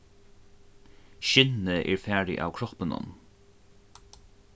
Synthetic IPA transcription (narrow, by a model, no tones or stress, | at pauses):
ʃɪnəʔɛ̰ːɹfæːɹɪ̰ʔa̰wkʰɹɔpənʊ̰n